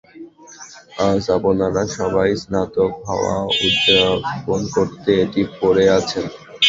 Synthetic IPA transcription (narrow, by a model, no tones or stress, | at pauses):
ad͡ʑabonaɾaʃɔbajsnat̪okaoa̰ud̪ːaponkoɾt̪eeʈipoɾeat͡ɕʰen